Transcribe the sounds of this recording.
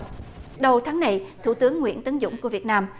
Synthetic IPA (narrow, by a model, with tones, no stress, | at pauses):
ɗə˨˩wt̪ʰaː˨˦ŋːna˨˩jt̪ʰṵ˧˩t̪ɨ˨˦əŋːwḭ˧˥ənt̪ə˨˦nzʊ̰˧˥ŋ͡mku˧˩vət̚naː˧m